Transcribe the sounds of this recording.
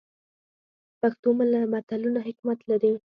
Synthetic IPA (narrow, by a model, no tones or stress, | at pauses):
paxt̪omalamat̪alunaɦɪkmat̪laɾi